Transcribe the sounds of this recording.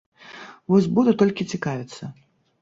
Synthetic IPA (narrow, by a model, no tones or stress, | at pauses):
vɔsʲbud̪ut̪ɔlʲkʲit͡sʲikavʲit̪sːɐ